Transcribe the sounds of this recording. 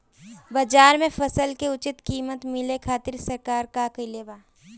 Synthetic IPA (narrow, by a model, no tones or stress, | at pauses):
bad͡ʒaːɾmẽfɐsəlkeʊt͡ʃɪt̪kiːmət̪mɪlekʰaːt̪ɪɾsɐɾkaːɾkakɐileːbaː